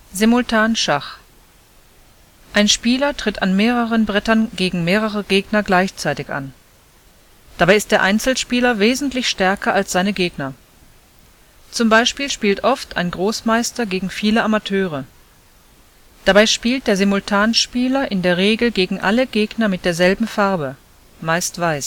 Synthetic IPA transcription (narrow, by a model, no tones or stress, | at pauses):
zemʊltʰaːnʃaχ | ʔaɪnʃpiːlɐtʁ̥ɪtʰa̰nmeːʁəʁənbʁɛtɐnɡeːɡŋ̩meːʁəʁəɡeːɡnɐɡlaɪçt͡saɪtɪçʔa̰n | d̥abaɪɪst̚d̥eːɐʔaɪnt͡sl̩ʃpiːlɐveːzn̩tlɪçʃtɛɐkɐʔalsz̥aɪnəɡeːɡnɐ | t͡sʊmbaɪʃpiːlʃpiːltʔɔftʰa̰ɪnɡʁoːsmaɪstɐɡeːɡŋ̩fiːləʔamatʰøːʁə | d̥abaɪʃpiːlt̚d̥eːɐzemʊltʰaːnʃpiːlɐʔɪndeːɐʁ̞eːɡl̩ɡeːɡŋ̩ʔaləɡ̥eːɡnɐmɪt̚d̥eːɐzɛlbm̩faɐbə | maɪstv̥aɪs